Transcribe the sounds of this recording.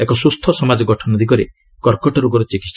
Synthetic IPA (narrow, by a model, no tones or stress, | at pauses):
ekɔsust̪ʰɔsɔmad͡ʒɔɡɔʈʰɔnɔd̪ʱikɔɾi | kɔɾkɔʈɔɾuɡɔɾɔt͡ʃikit̪s